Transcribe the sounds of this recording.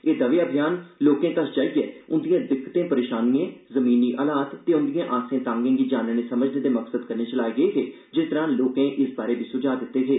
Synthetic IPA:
eːd̪əʋeːaːbʱɪjaːnloːkẽːk̪ət͡ʃʰd͡ʒaːiɡɛːʊnd̪ijãːd̪ɪkːt̪ẽːpəɾeːʃaːniẽːzəmiːniːʔəːlaːt̪ːeːʊnd̪ijãːʔaːsẽːt̪ãːŋɡẽːɡiːd͡ʒaːnəːneːsəməd͡ʒneːd̪eːməksəd̪kəɾneːt͡ʃəlaːeːɡəeːɦeː | d͡ʒɪst̪əɾãːloːkẽːʔɪsbaːɾeːbiːsʊd͡ʒaːd̪ɪt̪ːeːɦ̪eː

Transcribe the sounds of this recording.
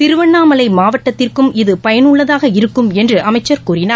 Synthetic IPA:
t̪ɪɾɯʋɐɳːaːmɐlɐɪmaːʋɐʈːɐt̪ːɪrkɯmɪðɯpɐjɐnɯɭːɐðaːɣɐɪɾɯkːɯmɛndrɯʔɐmɐɪt͡ʃːɐɾkuːrɪnaː

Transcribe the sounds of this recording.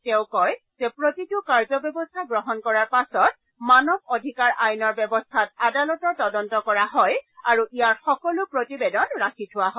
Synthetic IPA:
tɛʊ̃kɔjz̥ɛpɹotitʊkaɹzɔbjɔbɔstʰaɡɹɔɦɔnkɔɹaɹpasɔt̚ | manɔb̚odʱikaɹʔajnɔɹbɛbɔstʰat̚adalɔtɔɹtɔdɔntɔkɔɹaɦɔjaɹuʔijaɹxɔkɔlʊpɹotibedɔnɹakʰitʰʊwaɦɔ

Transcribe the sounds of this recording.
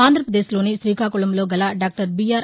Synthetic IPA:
aːnd̪ʱɾɐpɾɐd̪eːslo̞ːniʃɾiːkʰaːkuɭɐmloːɡɐlaːɖaːk̚ʈɐɾbijaːɾ

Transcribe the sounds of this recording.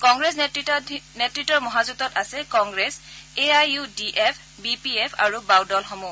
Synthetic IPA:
kɔŋɡɹɛs | netɹitːɔɹmɔɦazutɔtasɛkɔŋɡɹɛseajudiʔepʰ | bipiepʰa̰ɹubawdɔlxɔmu

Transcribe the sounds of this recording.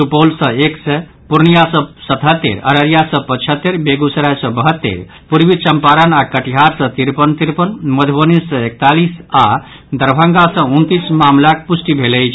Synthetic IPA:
supolsə̃eksɛ | puɾnijasə̃sət̪ɦət̪ːḛɾə̰ɾəɾijasə̃pət͡ʃʰət̪ːeɾbeɡusəɾajsə̃bəɦət̪ːḛɾ | puɾbit͡ʃəmpaɾənakəʈiɦaɾsə̃t̪iɾpənt̪iɾpənməd̪ʱbənisːə̃ek̚t̪alisa | d̪əɾbʱə̃ŋɡasə̃unt̪ismamlakpusʈibʱeləjt͡ʃʰ

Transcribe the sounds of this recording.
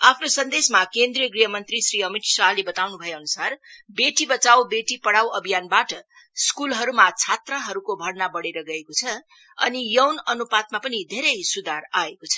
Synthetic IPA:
apʰnosʌnd̪esmakend̪rijʌɡrijʌmʌnt̪risriʌmit̪salebʌt̪awnubʱʌjeʌnusarbeʈibʌt͡sawbeʈipʌɽawʌbʱijanbaʈʌ | skulɦʌɾumat͡sʰat̪rʌɦʌɾukobʱʌrnabʌɽeɾʌɡʌekot͡sʰʌ | ʌ̰nijʌwnʌnupat̪̚mapʌnid̪ʱeɾʌjsud̪ʱaraekot͡sʰʌ̥

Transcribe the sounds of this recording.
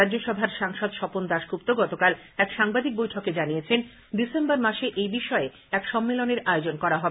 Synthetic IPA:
ɾadd͡ʑoʃɔbʱaɾʃaŋʃod̪ʃɔpond̪aʃɡup̚t̪oɡɔt̪okal | ɛkʃaŋbad̪ik̚bojʈʰoked͡ʑaniet͡ɕʰen | d̪isembaɾmaʃeʔejbiʃɔe | ɛkʃɔmːeloneɾaeod͡ʑonkɔɾaɦɔbe

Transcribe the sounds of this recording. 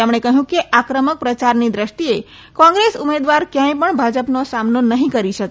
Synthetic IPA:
emɳ̃ekəɦjũkeʔakɾəmək̚pɾət͡ʃaɾnid̪ɾəʃʈie | kɔ̃ŋɡɾesumed̪ʋaɾkjãj̃pəɳbʱad͡ʒəpnosamnonəɦĩkəɾiʃək

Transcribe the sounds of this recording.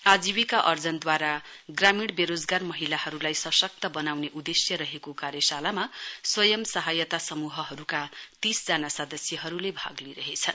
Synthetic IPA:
ad͡ziwikaʔʌrd͡zʌnd̪waɾa | ɡramiɽbeɾod͡zɡarmʌɦilahʌɾulajsʌsʌk̚t̪ʌbʌnawneʔud̪esjʌɾʌɦekokaɾjʌsalamaswʌjʌmsʌɦajʌt̪asʌmuɦʌɦʌɾukat̪isd͡zanasʌd̪ʌsjʌɦʌɾulebʱa̰ɡliɾʌɦet͡sʰʌn

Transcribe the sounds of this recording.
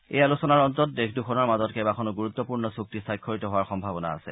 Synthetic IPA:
ḛjalusɔnaɹɔntɔtdekʰdukʰɔnɔɹmazɔtkɛbakʰɔnɔɡuɹut̪ːɔpuɹnɔsuk̚tisajkʰːɔɹitɔɦowaɹxɔmbʱabɔna̰ːsɛ̰

